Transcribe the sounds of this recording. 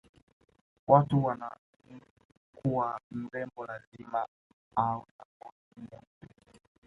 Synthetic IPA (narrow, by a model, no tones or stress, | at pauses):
watuwana̰ | kʰuwam̩ɾɛmbɔlazima | auna̰kɔ | mɔmpɛ